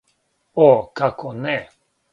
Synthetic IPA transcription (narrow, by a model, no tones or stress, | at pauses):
okakʰone